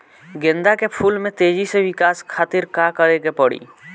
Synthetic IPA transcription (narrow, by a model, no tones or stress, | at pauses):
ɡɪ̃nd̪akepʰuːlmẽt̪eːd͡ʒisewɪkaːskʰaːt̪ɪɾkakəɾeɡepəɽḭː